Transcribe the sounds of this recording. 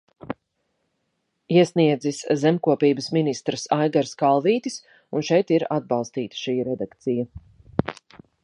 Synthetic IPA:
iɛsniɛd̪ziszɛmkuɔpiːbəsminist̪ɾəsajɡaɾskalˠviːt̪is | unʃɛjt̪iɾad̪̚bɑlˠst̪iːt̪ə̥ʃiːɾɛd̪akt̪sijɐ

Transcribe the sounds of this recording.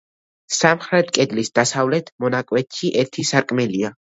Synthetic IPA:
samχɾɛt̪ʰkʼɛd̪lisd̪asavlɛt̪ʰmɔnakʼwɛt̪ʰʃiʔɛɾt̪ʰisaɾkʼmɛlia

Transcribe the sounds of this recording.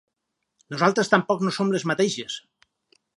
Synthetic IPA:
nozalˠt̪ɾest̪ampɔknosomlezmat̪eʒes

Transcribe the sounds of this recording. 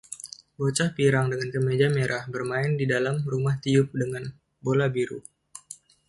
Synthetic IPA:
bot͡ʃahpiɾaŋdəŋankəmed͡ʒameɾʔahbərmaɪndidalamrumaht̪iʊp̚dəŋan | bolabiɾu

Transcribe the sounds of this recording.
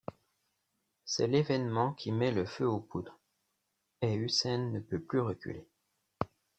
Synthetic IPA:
sɛ̰levɛnmɑ̃kʲʰimɛləføopud̪ʁ | eysɛnːəpøplyʁəkʲy̰le

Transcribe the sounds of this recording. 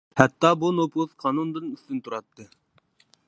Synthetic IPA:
hæt̪ːɑbunoplˠuðqʰɑnund̪ɨnyθt̪ynt̪ʰuɾɑt̪ːɨ

